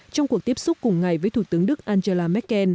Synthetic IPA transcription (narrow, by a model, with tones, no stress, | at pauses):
t͡ɕɔ˧wŋ͡mku˨˩ək̚t̪i˦˥əp̚sʊ˦˥k͡p̚kʊ˨˩ŋ͡mŋa˨˩jvəː˨˦jt̪ʰu˧˩t̪ɨ˨˦əŋɗɨ˦˥k̚ʔaː˧nze˧laː˧mɛ˦˥t̚kːɛ˧n